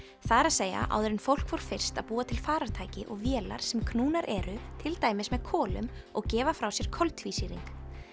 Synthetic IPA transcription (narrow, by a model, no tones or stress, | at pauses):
θaɾaðseːja̰ʔa̰wðʏɾɪnfowlkvɔwɾ̥fɪr̥st̪aðpuːat̪ʰɪlfaːɾaɾ̥t̪ʰaːjcɪʔɔɣvjɛːla̰ɾ̥sɛmkʰnuːnaɾʔɛɾʏt̪ʰɪlt̪aːjmɪsmɛðkʰɔːlʏ̰mɔɣcɛːvafɾawsjɛɾ̥kʰɔlt̪viːsiɾḭŋk